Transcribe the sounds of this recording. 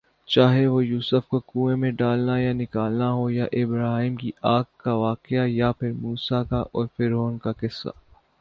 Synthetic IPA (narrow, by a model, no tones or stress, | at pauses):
t͡ʃaːɦeʋojuːsəfkokuːẽmẽɖaːlnajanɪkaːlnaɦojaʔɪbɾaːɦimkiʔaːkkːaʋaːqɪajapʰɪɾmuːsakaʔɔːɾfɪɾoːnkakɪsːa̰